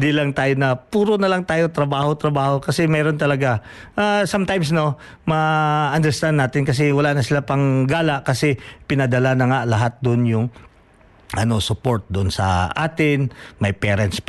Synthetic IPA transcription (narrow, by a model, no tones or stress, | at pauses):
d̪ilɐŋt̪aːjonɐpuːɾonɐlaŋt̪aːjot̪ɾɐbaːho̞t̪ɾɐbaːho̞kɐsɛmɛːɾo̞nt̪ɐlɐɡa | ʔasamt̪ajmsno̞ | mɐʔɐnd̪ɛɹst̪and̪naːt̪ɪnkɐs̬ɛwɐlanɐsɪlapɐŋɡaːlɐʔkɐsɛpɪnɐd̪ɐlanɐŋalɐɦat̪̚d̪ʊʔnjʊŋ | ʔɐno̞sʊpo̞ɹt̪̚d̪oʔonsɐ̰ʔaːt̪ɪnmɐjpɛːɾɛnt̪s